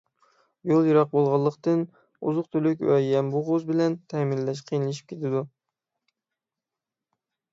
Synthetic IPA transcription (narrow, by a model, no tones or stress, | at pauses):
jolˠjɑɾɑq̚bolˠʁɑlˠːəqt̪ɨn | ṵzʊqt̪ʰølykʲwɛjɛmbuʁozbɪlɛnt̪ʰɛminːɛʃ̬qʰijnɨlˠɪʃ̬i̥p̚ʲkʲet̪ʰɪd̪u